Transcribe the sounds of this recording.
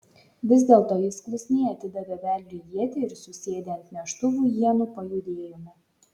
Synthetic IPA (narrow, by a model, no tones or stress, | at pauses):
ʋʲɪzʲd̪ʲeːlˠt̪oɔːjɪsklʲʊsʲnʲɛɪɐt̪ʲɪd̪ɐʋʲeʋʲæˑlʲd̪ʲiːjʲiɛt̪ʲeɪɾsʊsʲeːd̪ʲɛɐnʲt̪ʲmʲiʃt̪ʊʋuːjiɛnuːˑpɐjʊd̪ʲeːjɔmʲɪ